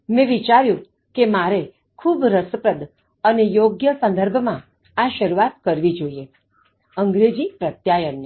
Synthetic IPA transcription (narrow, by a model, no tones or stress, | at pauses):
mɛ̃ʋit͡ʃaɾjũ | kemaɾe | kʰubɾəsəpɾəd̪ | ənejoɡjəsə̃nd̪əɾbʱmã | aʃəɾuʋat̪kəɾʋid͡ʒoie | əŋɡɾed͡ʒipɾət̪jajən